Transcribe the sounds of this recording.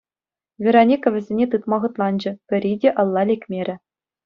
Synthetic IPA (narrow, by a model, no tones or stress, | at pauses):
vʲeɾonʲikɑʋʲɘ̆zʲenʲet̪ɯt̪mɑʁɤ̆t̪lˠɑnd͡ʑɘ̆pʲɘ̆ɾʲidʲeʔɑ̆lˠːɑlʲekʲmʲeɾʲɘ̆